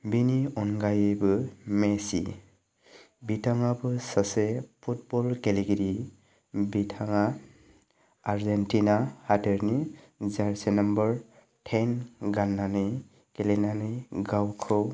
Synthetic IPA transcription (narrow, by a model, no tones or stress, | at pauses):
biniɔnɡajebɯmesḭ | bitʰaŋabɯsasepʰut̚bɔlkɛliɡiɾi | bitʰaŋa | ɾzentinahadeɾni | zaɹsenambɔɹ | tʰenɡanːanɯj | kɛlenanɯjɡawkʰɯw